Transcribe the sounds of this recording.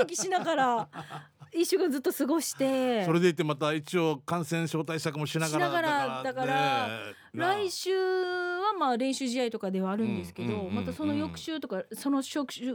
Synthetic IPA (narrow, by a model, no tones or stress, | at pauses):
okʲiɕinaɡaɾa | iɕoɡad͡zɨt̪ːo̞sɨɡo̞ɕi̥t̪e̞soɾe̞d̪e̞it̪ːemat̪ait͡ɕio̞kãɰ̃sẽɰ̃ɕo̞ːt̪aiɕakɯ̟mo̞ɕinaɡanaɡaɾad̪akaɾa | ɾaiɕɨːβamaːɾẽ̞ɰ̃ɕɨːʑijait̪o̞kad̪e̞βaːɾɯ̟̃nd̪e̞sɨ̥ke̞d̪o̞mat̪aso̞no̞jo̞kɯ̟̥ɕɨːt̪o̞kaso̞no̞ɕo̞kɯ̟ɕɨ